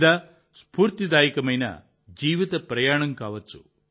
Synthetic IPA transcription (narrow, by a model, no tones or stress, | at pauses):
d̪a | spuːɾt̪id̪aːjikɐmɐjnɐ̰ | d͡ʒiːʋit̪ɐpɾɐjaːɳɐŋkaːʋɐt͡ʃːu